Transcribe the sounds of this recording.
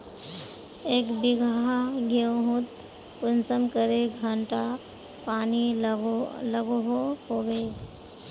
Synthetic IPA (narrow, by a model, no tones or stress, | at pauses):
eːkbɪɡʱaɦaɡoɦut̪ | pʊnsəmkəɾeɡʱəɳʈa | paːni | ləɡoɦoɦoːʋeː